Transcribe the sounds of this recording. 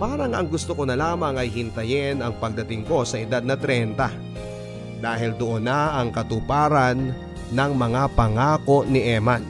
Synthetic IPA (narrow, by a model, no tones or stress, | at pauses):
paːɾɐŋʔɐŋɡʊst̪okonɐlaːmɐŋɐjɦɪnt̪ɐjɪnɐŋpɐɡ̚d̪ɐt̪ɪŋko̞sɐʔɪd̪ad̪nɐt̪ɾɛnt̪ɐ | d̪aːɦɪld̪oʔo̞nːaʔɐŋkɐt̪ʊpaːɾɐnː | ɐŋmɐŋapɐŋaːko̞ʔnɪʔɛman